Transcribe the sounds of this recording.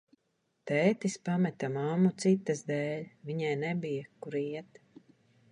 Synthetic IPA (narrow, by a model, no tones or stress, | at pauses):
t̪ɛːt̪ispamɛt̪amamːut̪sit̪ːɨzd̪ɛːlʲvʲiɲɛjnɛbijakuɾiɛt̪